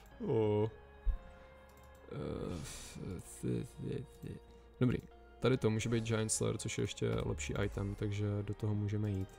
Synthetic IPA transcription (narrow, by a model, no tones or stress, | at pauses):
o | ɪ̰ | dobɾḭː | t̪adɪt̪omuːʒɛbijt̪̚d͡ʒajnslɛ̰ɾt͡soʃjɛ̰jɛ̰ʃcɛ̰lʔɛ̰pʃḭːʔa̰jt̪ɛmt̪aɡʒɛdot̪oɦomuːʒɛmɛjiːt̪